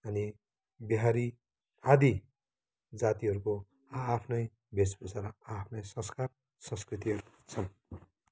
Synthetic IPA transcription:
ʌni | biɦaɾi | ad̪i | d͡zat̪iɦʌɾukoː | pʰnʌj | besbʌsaɾapʰnʌjsʌ̃skar | sʌ̃skrit̪iɦʌɾuk | t͡sʰʌn

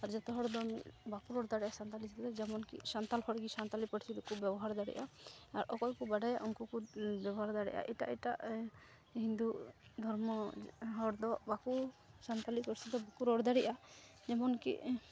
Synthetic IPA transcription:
aɾd͡ʒɔt̪ɔɦɔɾd̪ɔmibakuɾɔɽd̪aɽiʔasant̪alisʰit̪ɛd̪ɛd͡ʒɛmɔnkḭsant̪alhɔɾɡisant̪alipəʈʰi̥id̪ɔkʰubjɛbɔɦaɾd̪aɽḭʔaaɾʔɔkɔjkubaɖajaʔɔŋkukubɛbɔɦaɾd̪aɽɛ̰ʔa̰ʔɛʈa̰ʔɛʈaʔ | hĩnd̪uʔd̪ʱɔɾmɔɦɔɽd̪ɔʔbakusant̪alikɔɾsid̪ɔbakuɾɔɽd̪aɽiʔa | d͡ʒɛmɔnkḭʔ

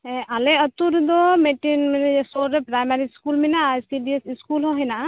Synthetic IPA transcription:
alɛət̪uɾd̪ɔmeʈinmɛnɛɛsɔɾɾepɾajmaɾiskulmɛnajskiɖiesiskulɦɔ̃ɦɔjna

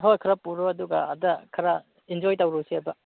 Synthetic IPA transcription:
ɦojkʰɐɾapuɾoɐduɡɐɐ̰dɐkʰɐɾa | ind͡ʒojtɐwɾusiɐbɐ

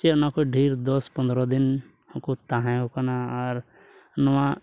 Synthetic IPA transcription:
t͡ʃenakoɖʱiːɾd̪ɔspə̃nd̪ɾɔd̪ɪn | kot̪aɦãokanaɔːɾ | nəʋã

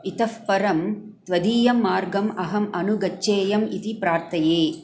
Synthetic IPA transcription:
it̪ɐfpɐɾɐmt̪ʋɐd̪iːjɐmːaːɾɡɐmɐɦɐmɐnuɡɐt͡ʃːeːjɐmit̪ipɾaːɾt̪ʰɐjeː

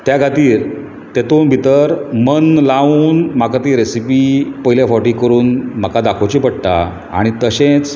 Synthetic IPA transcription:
t̪jaɡʱat̪iːɾ | t̪et̪onbʱit̪əɾmənlauːnm̤akat̪iːɾesipipəɦiljafɔʈiːkəɾuːnm̤akad̪akʰot͡ɕipəɽt̪a̰ | a̰ɽ̃it̪əɕẽt͡s

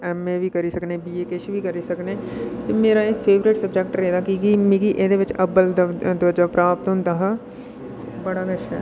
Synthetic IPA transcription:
ɛmebʱikɐɾisɐknebieːkeʃbʱikɐɾisɐkneːt̪emeːɾaekfeːʋɾeʈsɐb̚d͡ʒɛkʈɾeːd̪akiɡimiɡiʔeːd̪eʋɐt͡ʃɐbəld̪d̪ʋɐd͡ʒapɾaːpt̪õnt̪ɐɦɐ | sbɐɽaɡɐʃʰɛ̰ː

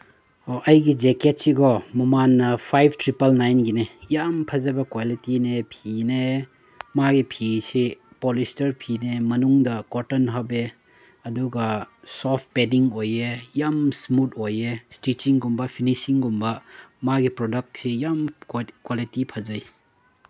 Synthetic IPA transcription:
oʔɐjɡid͡ʒeket̚siɡɔmumanːɐpʰajb̚ʰtɾipɐlnajnɡinejampʰɐzɐbɐkwalitinepʰine | maɡipʰisi | polistɐɾpʰinemɐnuŋdɐkotɔnɦɐbe | ɐduɡɐsɔp̚ʰpediŋojejamsmut̚ojestit͡ʃiŋɡumbɐpʰinisiŋɡumbɐmaɡipɾɔdɐk̚tsijamkwalitipʰɐzɐj

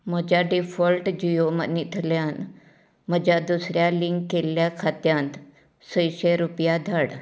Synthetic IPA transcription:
m̤əd͡ʑjaɖifəlʈd͡ʑijomə̰nit̪ʰljan | məd͡ʑjad̪usɾjaliŋkkːelːjakʰat̪jãnt̪ | səjɕeɾupjad̪ʱaɽ

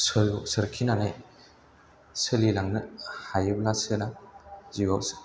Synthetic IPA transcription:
sɯɾɡasɯɾkʰinanaj | sɯlilaŋnɯhajɯblasɯnaziɡaws

